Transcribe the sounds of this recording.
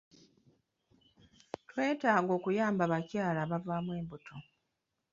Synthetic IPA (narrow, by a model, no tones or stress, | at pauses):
twe̞ːtaːɡo̞ːkujaːmbaβacjaːlaːβavaːmwe̞ːmbutʰo